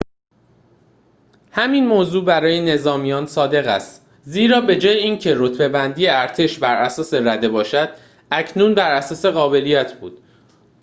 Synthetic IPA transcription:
hæmiːnmoːzuːbæɾɒːjene̞zɒːmijɒːnsɒːd̪e̞ɣæ̰st̪ | ziːɾɒːbe̞d͡ʒɒːjeiːncʰe̞ɾot̪be̞bænd̪ijeæɾt̪ʰe̞ʃbæɾʔæsɒːse̞ɾæd̪e̞bɒːʃæd̪̥̚ | æcʰnunbæɾæsɒːse̞ɣɒːbe̞lijæt̪ʰb̥ṵːd̪̥

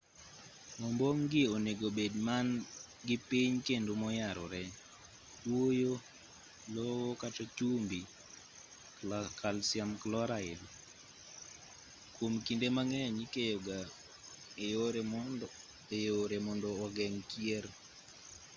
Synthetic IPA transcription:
mɔmboŋɡɪoneɡobedman | ɡɪpiɲkendomɔjaɾɔɾɛ | twojo | lɔwokat͡ʃɔt͡ʃumbi | kʰalsjamklɔɾaɪl | komkindemaŋɛɲikejoɡa | ejoɾɛm | ejoɾɛmɔndɔːɡɛŋkjeɾ

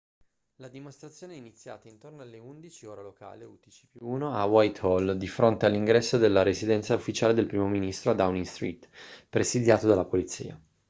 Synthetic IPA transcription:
lad̪imost̪ɾat̪sːjoːneɛinit̪sːja̰ːt̪aint̪ornoalːeund̪it͡ʃioːɾaloka̰ːleut̪it͡ʃi̥piuːnoawajt̪ɔld̪ifɾont̪ealːiŋɡɾɛsːod̪elːaɾezid̪ɛnt̪saufːit͡ʃaːled̪elpɾiːmominist̪ɾoad̪awniŋst̪ɾiːt̪pɾesid̪jaːt̪od̪alːapolit̪sḭːa̰

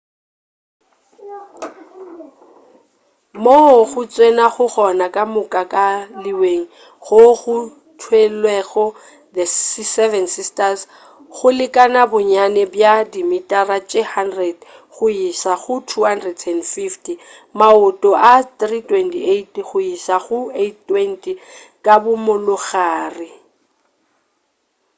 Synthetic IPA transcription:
moɣʊt͡sʼwenaɣʊɣɔnakʼamʊkʼakʼaliweŋ̩ | ɣʊɣʊ | tʰwelwɛɣɔ | dɛsɛvɛnsistas | ɣʊlɪkʼanabʊɲanɛbjadimitʼarat͡ʃʼehandrɛd | ɣʊisaɣʊtʰuhandrɛdɛndfiftʼi | maʊtʼɔʔatritʼwɛntietɣʊisaɣʊettwɛntʼi | kʼabʊmʊlʊɣaːrɪ

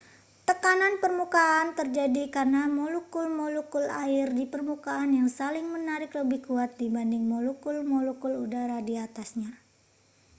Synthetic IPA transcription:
t̪əkananpərmukaːnt̪ərd͡ʒadikarnamolukʊlmolukʊlaɪrdipərmukaːnjaŋsalɪŋmənaɾɪkləbɪhkuat̪̚dibandɪŋmolukʊlmɔlukʊludaɾadiat̪asɲa

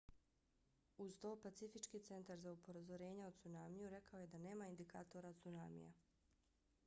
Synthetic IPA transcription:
uzt̪oːpat̪sifit͡ʃkiːt̪se̞nt̪aɾzaupo̞ɾazoɾe̞ːɲeot̪sunaːmijuɾe̞kaoje̞d̪ane̞ːmaind̪ika̰ːt̪oɾat̪suna̰ːmḭja̰

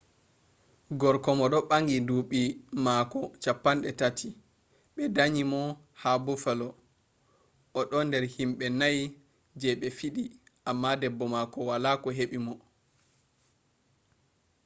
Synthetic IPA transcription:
ɡɔɾkɔmɔɗɔɓaŋɡinduɓimakɔt͡ʃapːanɗɛtatʰi | ɓɛdaɲimɔ | habufɛlɔ | ʔɔɗɔndɛɾhimɓɛnaj | d͡ʒɛɓɛfiɗiʔamːadɛbːɔmakɔwalakɔɦeɓimɔ

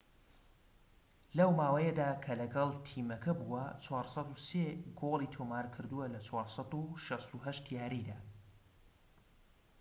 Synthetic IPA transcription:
lɐwmaːwɐjɛd̪aːkʰɐlɐɡɐlˠt̪ʰiːmɐkʰɐbuwɐt͡ʃʰwɑːɾsˤɑt̪useɡolˠit̪ʰomaːɾkʰɨɾd̪uwɐlɐt͡sʰwɑːɾsɑt̪uʃɐst̪uɦɐʃt̪jaːɾid̪aː

